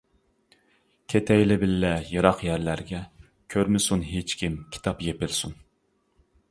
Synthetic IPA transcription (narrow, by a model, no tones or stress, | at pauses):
kʲʰet̪ʰɛjlɪbɪlːɛjɨɾɑqjæɾlæɾɡʲɛ | kʲʰøɾmɪsunɦet͡ʃkʲʰimkʲʰi̥t̪ʰɑpjepɪlsun